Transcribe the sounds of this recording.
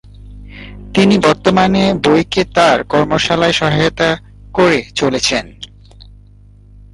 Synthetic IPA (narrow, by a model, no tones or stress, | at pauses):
t̪inibɔɾt̪omanebojket̪aɾkɔɾmoʃalaeʃɔɦajot̪a | koɾet͡ɕolet͡ɕʰen